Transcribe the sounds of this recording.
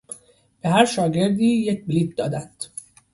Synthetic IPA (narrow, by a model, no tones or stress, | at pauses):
b̥e̞ɦæɾʃɒːɟe̞ɾd̪iːjec̚biliːt̪̚d̪ɒ̰ːd̪ænd̪̥